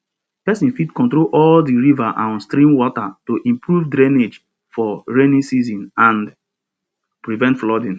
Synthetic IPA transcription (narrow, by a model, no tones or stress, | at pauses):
pɛsĩnfidkɔ̃ntɾolʔɔldiɹivaʔãnstɾĩmwɔtatoʔĩmpɹuvdɾɛned͡ʒ | fɔɹenĩnsizĩnãnd | pɹivɛ̃ntflɔdĩn